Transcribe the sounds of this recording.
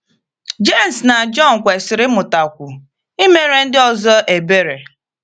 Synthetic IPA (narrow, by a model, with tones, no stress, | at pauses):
d͡ʒe˦˨m̩˨sna˨d͡ʒɔ˦˨n̩˨kʷe˨sɪ˨ɾɪ˦mʊ˨ta˨kʷʊ˨ | i˦me˦ɾe˨n̩˦dɪ˦ɔ˨zɔ˦ʔe˨be˦ɾe˨